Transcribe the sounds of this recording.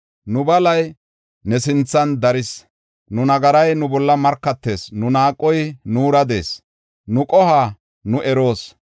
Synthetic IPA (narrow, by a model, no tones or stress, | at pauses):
nʊbɐlɐj | nɛsɪnt͡sːɐnd̪ɐɾɪs | nʊnɐɡɐɾɐjnʊbɔlːɐmɐɾkːɐt̪ːe̞ːsnʊnaːkʼːɔjnuːɾɐd̪e̞̰ːs | nʊkʼɔhaː | nʊʔɛɾo̞ːs